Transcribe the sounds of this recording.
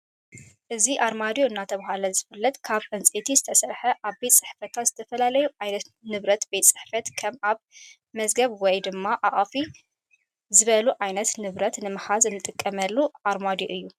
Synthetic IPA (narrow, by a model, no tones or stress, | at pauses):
ʔɨziʔaɾmad̪joɨnːat̪ʰɐβaɦalɐzɨfɨlːɐt̪ʼkʰaβʔɨnt͡sʼet̪ʰizɨt̪ʰɐsɐɾħɐʔaβbet̪ʼsʼɨħfɐt̪ʰaz̥ɨt̪ʰɐfɐlalɐjuʕajnɐt̪nɨβɾɐt̪bet̪ʼsʼɨ̥ħfɐt̪kʰɐmaβ | mɐzɡɐβwɔjd̪ɨmːaʔaʔʼfi | zɨβɐluʕajnɐt̪nɨβɾɐt̪nɨmɨħazɨnːɨt̪ʼɨkʼːɐmɐlːuʔaɾmad̪joʔɨjːu